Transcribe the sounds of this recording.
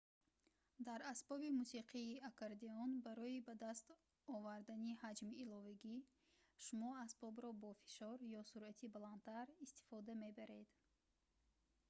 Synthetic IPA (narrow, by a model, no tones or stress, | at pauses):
d̪aɾasbɔbimusiqʰiːakʰaɾd̪eɔnbaɾɔibad̪ast̪ | ɔvaɾd̪anihad͡ʒmiːlɔvaɡi | ʃumɔasbɔbɾɔbɔfi̥ʃɔɾjɔsuɾʔat̪ʰibalan̚t̪ʰaɾist̪i̥fɔd̪ame̞baɾe̞d̪